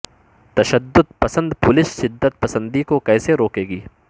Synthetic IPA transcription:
t̪ɐʃɐd̪ːʊd̪̚pɐsə̃nd̪pʊlɪsʃɪd̪ːət̪̚pɐsə̃nd̪ikokɛːseɾoːkeːɡiː

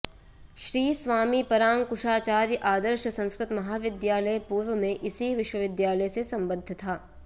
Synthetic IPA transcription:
ʃɾiːsʋaːmipɐɾaːŋkʊʃaːt͡ʃaːɾjʔaːd̪əɾʃəsɐ̃skɾɪt̪mɐɦaːʋɪd̪jaːləjpuːɾʋəmẽʔɪsiʋɪʃwəʋɪd̪jaːləjsesɐ̃mbəd̪ʱːət̪ʰaː

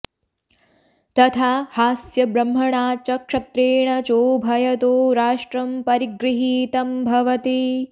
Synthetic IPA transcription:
t̪ɐt̪ʰaːhaːsjɐbɾɐm̤ːɐɳaːt͡ʃɐkʂɐt̪ɾeːɳɐt͡ʃoːbʱɐjɐt̪oːɾaːʂʈɾɐmpɐɾiɡɾiɦiːt̪ɐmbʱɐʋɐt̪i

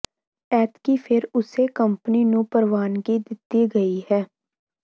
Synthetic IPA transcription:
ɛːt̪kifʰɪɾʊsekɐ̃mpninũpɐɾʋaːnɡid̪ɪt̪iɡɐiɦɛː

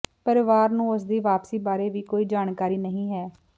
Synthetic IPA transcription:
pəɾɪʋaːɾnũːʊs̬d̪eːʋaːpsiːbaːɾeːʋiːkoːiːd͡ʒaːnkaːɾiːnəɦĩːɦɛː

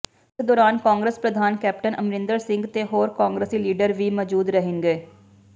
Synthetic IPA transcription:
ɪsd̪ɔːɾaːnkaːŋɡɾəspɾəd̪ʱaːnkɛːp̚ʈənəmɾɪ̃nd̪əɾsɪ̃ŋɡt̪eːɦoːɾkaːŋɡɾəsiːliːɖəɾʋiːmɔːd͡ʒuːd̪ɾəɦɪŋɡeː

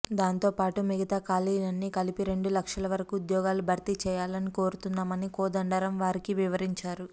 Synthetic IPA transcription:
d̪aːnt̪o̞ːpaːʈumiɡɐt̪aːkaːliːnɐnːikɐlipiɾe̞ɳɖulɐkʂɐlɐʋɐɾɐkuːd̪jɔːɡaːlubʱɐɾt̪it͡ʃɛːjaːlɐniko̞ːɾut̪unːaːmɐnikɔːd̪ɐɳɖɐɾɐmʋaːɾikiʋiʋɐɾiɲt͡ʃaːɾu

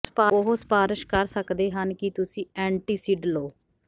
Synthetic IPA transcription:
spaʊɦospaːɾɪʃkəɾsəkd̪eːɦənkɪt̪ʊsĩːɛ̃ːɳʈiːsiːɖloː

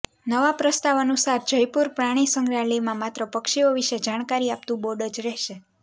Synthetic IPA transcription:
nəʋapɾəst̪aʋənusaɾd͡ʒəjpuɾpɾaɽ̃isəŋɡɾalimãmat̪ɾəpəkʃioʋiʃed͡ʒaɽ̃kaɾiap̚t̪ũboɖəd͡ʒɾɛʃe

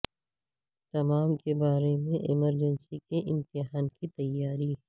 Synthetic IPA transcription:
t̪ɐmaːmkebaːɾemẽʔɪməɾd͡ʒənsikeʔɪmt̪ɪɦaːnkit̪ɐjːaːɾiɦ

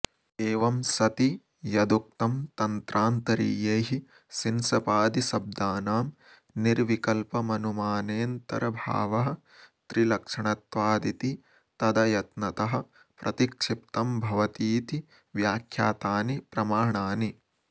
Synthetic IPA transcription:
eːʋɐmsɐt̪i | jɐd̪uk̚t̪ɐmt̪ɐnt̪ɾʔaːnt̪ɐɾḭːjeːɦi | sinsɐpaːd̪isɐb̚d̪aːnaːm | niɾʋikɐlpɐmɐnumaːneːnt̪ɐ̰ɾɐbʱa̰ːʋɐɦɐ̆ | t̪ɾilɐkʂɐɳɐt̪ʋaːd̪it̪i | t̪ɐd̪ɐjɐt̪nɐt̪ɐɦɐ̆ | pɾɐt̪ikʂip̚t̪ɐmbʱɐʋɐt̪iːt̪i | ʋjaːkʰjaːt̪aːnipɾɐmaːɳaːni

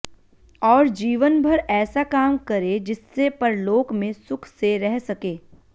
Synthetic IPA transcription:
ɔːɾd͡ʒiːʋənbʱɐɾɛːsakaːmkɐɾed͡ʒɪsːepɐɾloːɡmẽsʊkʰseɾɛɦsɐkeː

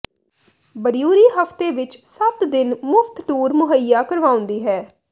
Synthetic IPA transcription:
bəɾijuːɾiːɦəft̪eːʋɪt͡ʃsət̪d̪ɪnmʊfʰt̪ʈuːɾmʊɦəjːaːkəɾʋaːʊ̃nd̪iːɦɛː

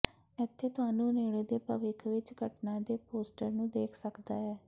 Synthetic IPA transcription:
ɪt̪ʰːeːt̪ʊaːnũːneːɽeːd̪eːpəʋɪkʰʋɪt͡ʃɡəʈnãːd̪eːpoːsʈəɾnũːd̪eːkʰsəkd̪aːɛː

